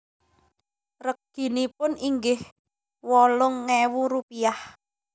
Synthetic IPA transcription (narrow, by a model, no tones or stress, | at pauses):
rək̚ɡ̥i̤nipʊniŋɡɪh | wɔlʊŋːewuɾupijah